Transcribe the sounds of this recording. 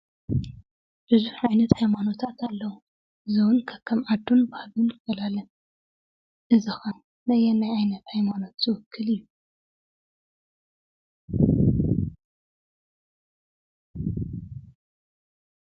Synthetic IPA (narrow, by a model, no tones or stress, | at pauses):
b̥ɨzuħʕajnɐt̪hajmanot̪ʰat̪ʰalːɐwu | zɨwunkʰɐkʰːɐmʔad̪ːonbahlunɪfɐlalɐn | ʔɨzɐxɐ | nɐjɛnajʕajnɐt̪hajmanot̪zɨwʊkʰːɨlɨjːu